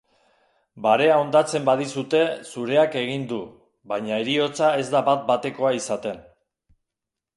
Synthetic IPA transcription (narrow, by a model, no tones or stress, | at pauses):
baɾe̞ao̞nd̪at͡se̞mbað̞isut̪e̞suɾe̞ake̞ɣ̞ind̪u | βaɲaeɾio̞t͡sae̞zd̪aβat̪̚bat̪e̞ko̞aisat̪e̞n